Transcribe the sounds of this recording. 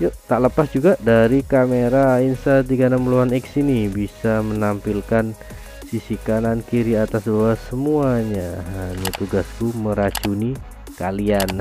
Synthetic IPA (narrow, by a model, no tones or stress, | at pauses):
joʔt̪aʔləpasd͡ʒuɡadaɾikameɾainst̪at̪iɡanaməluanɛksinibisamənampilkan | sisikanankiɾiat̪asbawasəmuaɲaɦaɲat̪uɡaskuməɾat͡ʃuni | kalian